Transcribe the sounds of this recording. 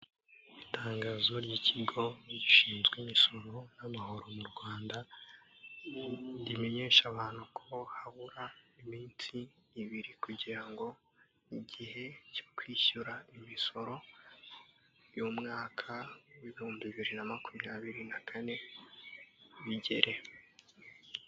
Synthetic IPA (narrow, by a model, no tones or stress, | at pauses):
itaːŋɡaːzoɾɟiːcʰiɡo̞ɟiʃiːnzɡweːmiso̞ɾo̞namaɦo̞ɾo̞muɾɡwaːnda | ndime̞ɲe̞ːʃaβaːn̥hukʰohaβuɾaimiːnsiːβiɾikuɟiɾaŋɡo̞ | iɟihe̞co̥kwiːɕuɾaimiso̞ɾo̞ | βjomŋaːkʰawiβihuːmbiβiɾinamakumɲaːβiɾinakʰane̞ | βiɟe̞ɾʔe̞